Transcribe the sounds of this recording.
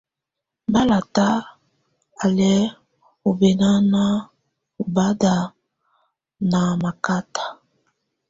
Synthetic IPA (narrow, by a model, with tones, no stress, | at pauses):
ba˦la˨ta˦ | a˨lɛ˦ | o˨bɛ˨na˦na˦ | o˨ba˦da˨ | na˨ma˨ka˦tḁ˨